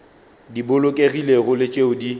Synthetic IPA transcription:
dibʊlʊkʼeɣileɣʊlɪt͡ʃʼeʊdi

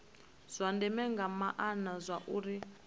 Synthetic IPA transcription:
z̥ʷandɛmɛŋɡamaʔanazʷaʔuɾi

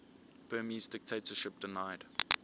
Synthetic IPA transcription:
b̥ɜːmizdɪk̚tʰeɪtəʃɪp̚d̥ɪnaɪd

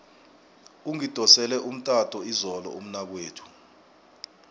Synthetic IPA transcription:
uŋid̥ʱɔsɛlɛʔum̩tʼatʰʼɔizɔlɔ̰um̩nak̬weːtʰu̥

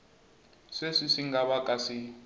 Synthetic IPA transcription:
sesisiŋɡaβakʼasi

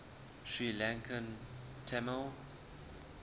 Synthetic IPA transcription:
ʃɹilãŋkʰə̃n | tʰɛməl

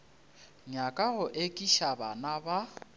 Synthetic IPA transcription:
ɲakʼaɣʊʔekʼiʃabanaba

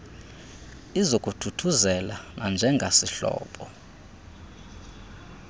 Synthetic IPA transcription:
izokʼutʰutʰuzɛlanand͡ʒʱɛŋɡʱasiɬɔ̰ːɓɔ

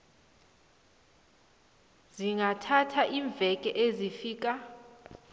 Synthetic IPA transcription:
ziŋɡʱatʰatʰaʔiɱb̪vʱɛkʼɛʔezifiːk̬ʼa

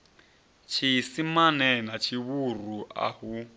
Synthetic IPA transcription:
t͡ʃʰisimanɛnat͡ʃʰiβuruʔa̰hu

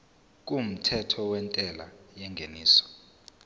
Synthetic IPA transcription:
k̬um̩tʰɛtʰɔwɛntʼɛla̰jɛŋɡʱeniːsɔ̥

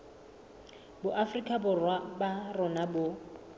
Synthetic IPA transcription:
bʊʔafrikʼabʊrwabarʊnabʊ

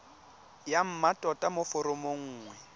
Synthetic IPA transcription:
jam̩matʼɔtʼamʊfʊɾʊmoŋ̩ːŋwɛ

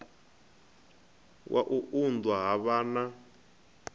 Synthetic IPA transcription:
wʔa̰ʔuʔundwaɦaβaːna

